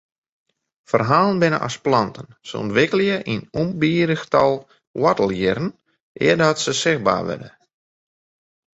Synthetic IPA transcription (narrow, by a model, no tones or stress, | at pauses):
fərɦaːlˠənbɪnə̰ʔa̰splɑntənsə̰ɔ̰ntʋɪkəlˠjəʔinumbiːɾəxtɔlˠ | wɔtəlˠjɪɾn̩ | ʔɪ̰ərdɔtsəsɪxba̰ːʋɛ̰də